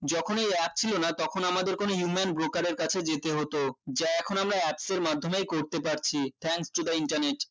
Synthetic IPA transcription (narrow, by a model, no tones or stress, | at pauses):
d͡ʑɔkʰonejɛp̚t͡ɕʰilonat̪ɔkʰonamad̪eɾkonoɦjumenbɾokaɾeɾkat͡ɕʰed͡ʑet̪eɦot̪od͡ʑaɛkʰonamɾaɛpseɾmad̪ʱːomejkoɾt̪epaɾt͡ɕʰit̪ʰɛŋksʈod̪aiɳʈaɾneʈ